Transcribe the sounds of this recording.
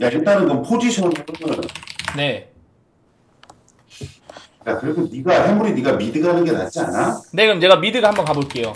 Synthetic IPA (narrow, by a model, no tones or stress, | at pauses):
jaeɭt͈anɯnkɯmpʰod͡ʑiɕʰʌneɯnɯnne̞ | jakɯɾekʰoniɡahemuɾiniɡamidɯɡanɯnɡe̞na̰t͡ɕ͈ia̰nane̞kɯmt͡ɕe̞ɡamidɯɡahambʌnkaboɭk͈e̞jo